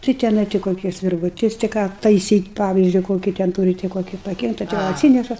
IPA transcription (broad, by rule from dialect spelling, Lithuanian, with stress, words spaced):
tɐɪ tʲɪˈnɐɪ tʲɪ koːˈkʲɪs ʋʲɪrʋʊˈtʲɪs tʲɪ ˈkɑː tɐɪˈsʲiːtʲ ˈpɑːʋʲɪzʲd͡ʒʲʊ koːˈkʲiː tʲɛn ˈtuːrʲɪ tʲɪ koːˈkʲɪ pɐˈɡʲɛndɐ tɐ jɛʊ ɐtʲˈsʲiːnʲɛʃɐ